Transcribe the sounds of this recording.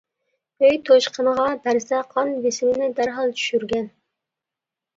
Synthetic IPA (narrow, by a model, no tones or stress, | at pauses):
øjt̪ʰoʃqʰənəʁɑbæɾsɛqʰɑnvɪsɪmɪnɪd̪æɾɦɑlˠt͡ʃʰy̥ʃyɾɡʲɛn